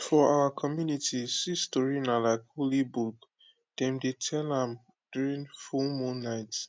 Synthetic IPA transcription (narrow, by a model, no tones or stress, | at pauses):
fɔʔaakʰɔmjunitʰisistɔɹinalaɪkholibuk | d̥ɛ̃mdetʰɛlãm | d̥juɹĩŋfulmũnːaɪt